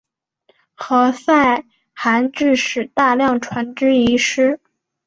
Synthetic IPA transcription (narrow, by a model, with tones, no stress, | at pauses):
xɤ˧˥sa˥˩ɪ | xa˧˥nʈ͡ʂɻ̩˥˧ʂɻ̩˨˩t̪a˥˧ljɑ˥˩ŋʈ͡ʂʰwa˧˥nʈ͡ʂɻ̩˥i˧˥ʂɻ̩˥